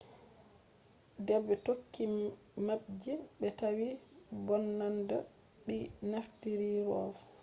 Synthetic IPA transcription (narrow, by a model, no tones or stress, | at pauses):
dɛbːɛtokːi | mab̚d͡ʒɛɓɛtawibɔnːanda | ɗinaftiɾiɾɔːv